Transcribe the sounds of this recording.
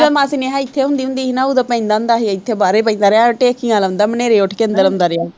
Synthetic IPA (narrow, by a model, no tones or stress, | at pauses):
amãːsineɦaːɪt̪ʰːeːɦʊ̃nd̪iːɦʊ̃nd̪iːɦinaːud̪apɛ̃ɪ̃nd̪aːʊ̃nd̪aːɦiɪt̪ʰːeːbaːɾeːpəĩd̪aːɾeãʈeːkɪãːlaʊ̃nd̪aːməneːɾeːʊʈʰkeːənd̪əlʊ̃nd̪aːɾɪaː